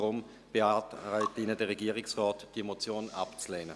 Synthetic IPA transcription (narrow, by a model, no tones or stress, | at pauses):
ʁʊm | b̥eatʁaɪtɪnədɛʁeɡiːʁɪksʁɔːtd̥imot͡sjoːna̰pt͡slɛːnə